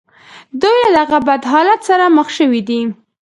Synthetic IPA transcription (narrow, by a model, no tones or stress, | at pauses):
d̪ujlad̪aɣabad̪ɦɑlat̪saɾaməxʃəwid̪i